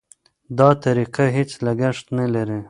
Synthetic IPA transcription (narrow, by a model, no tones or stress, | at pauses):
d̪ɑt̪aɾiqaɦet͡slaɡaʂt̪nalaɾi